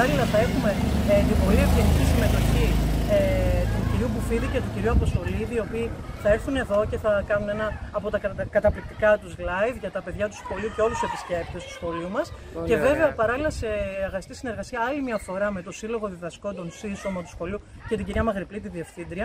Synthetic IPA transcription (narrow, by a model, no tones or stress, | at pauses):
pɐɾɐlilɐθɐe̞xume̞t̪ibo̞ɾievʝenicisime̞t̪o̞çiet̪uɟiɾiupufiðice̞t̪oɟiɾiuɐpo̞st̪o̞liðio̞piːθɐe̞ɾθune̞ðo̞ce̞θɐkɐnune̞nɐːpo̞t̪ɐkkɐt̪ɐplik̚t̪i̥kɐt̪uzlɐjvʝɐt̪ɐpe̞ðʝɐt̪u̥sxo̞liuce̞o̞luse̞pisce̞p̚t̪e̞st̪u̥sxo̞liumɐs | ce̞ve̞ve̞ɐpɐɾɐlilɐse̞ːɣɐsi̥t̪isine̞ɾɣɐsiɐɐlimɲɐfo̞ɾɐme̞t̪o̞silo̞ɣo̞ðiðɐsko̞nd̪o̞nsiso̞mɐt̪u̥sxo̞liucet̪iɟiɾiɐmɐɣɾiplit̪̬iðie̞fθind̪ɾiɐ